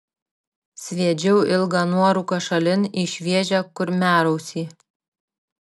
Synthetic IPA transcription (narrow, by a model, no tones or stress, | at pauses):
sʲʋʲiɛd͡ʒʲɛʊɪlˠɡɐnuɔɾʊkɐʃɐlʲɪniːʃʲʋʲiɛʒʲɛkʊɾmʲæːɾɐʊsʲiː